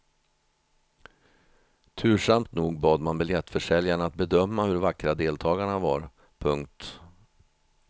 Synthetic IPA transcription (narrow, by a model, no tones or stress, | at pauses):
t̪ʰʉ̟ːʂamt̪nuːɡbɑːd̪manbɪljɛt̪ːfœʂɛljaɳaat̪̚bɛd̪œmːahɵɾvakːɾad̪eːlt̪ʰɑːɡaɳava̰ɾ | pʰɵŋk̚t̪